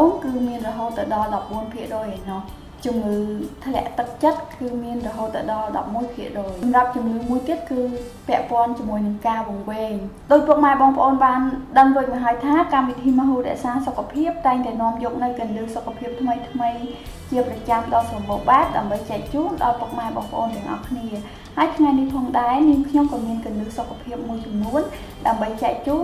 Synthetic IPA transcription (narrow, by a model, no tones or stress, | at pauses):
oːŋkɨːmiənrɔɦoːt̪ːɨwɗɑlɗɑp̚ɓuənpʰiəʔroːjanɑh | t͡ɕumŋɨːt̪ʰlɛ̆əʔt̪ɨk̚t͡ɕət̪̚kɨːmiənrɔɦoːt̪ːɨwɗɑlɗɑ̰p̚muəjpʰiəʔroːjɑmrap̚t͡ɕumŋɨːmuəjt̪iət̪̚kɨː | pɛ̆əʔpŏənt͡ɕiəmuəjnɨŋkaːʋʊ̆əŋʋɛːŋɗoːc̚pŭək̚maɛɓɑːŋpə̆ʔoːnɓaːnɗəŋroːc̚maɦaəjt̪ʰaːkamʋit̪ʰiːməɦuːrɛ̰̆əʔsaːsokʰːapʰiəp̚t̪aɛŋt̪aɛnŏəmjɔːk̚nɨwk̪ɨ̆ənlɨːsokʰːapʰiəp̚t̪ʰməjt̪ʰməjt͡ɕiəprɑt͡ɕamɗɑlsrɑmɓoːɓaɛp̚ɗaəmɓəjt͡ɕɛʔt͡ɕuːnɗɑlpuək̚maɛɓɑ̰ːŋpə̆ʔoːnt̪ɛ̆əŋʔɑ̰hkʰniə | haəjt̪ʰŋajnihpʰɑːŋɗaɛniəŋkʰɲomkɑːmiənkɨənlɨːsokʰːapʰiəp̚muəjt͡ɕɑmnuən | ɗaəmɓəjt͡ɕɛɛʔt͡ɕuːn